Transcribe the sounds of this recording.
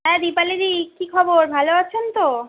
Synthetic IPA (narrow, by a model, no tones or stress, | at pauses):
ɦɛ̃d̪ipaliɾikikʰɔboɾbʱaloat͡ɕʰent̪o